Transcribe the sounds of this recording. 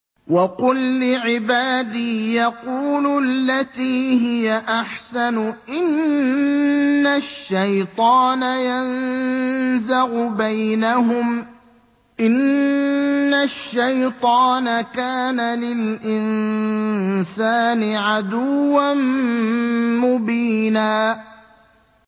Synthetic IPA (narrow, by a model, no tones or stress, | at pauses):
wɑqʊlːɪʕɪbaːd̪iːjɑquːlʊlːat̪iːɦɪjaʔaħsanʊʔɪn | aʃːajt̪ˤɑːnajan | zaɣʊbajnaɦʊm | ʔɪnː | aʃːajt̪ˤɑːnakaːnalɪlʔɪn | saːnɪʕad̪ʊːan | mʊbiːnaː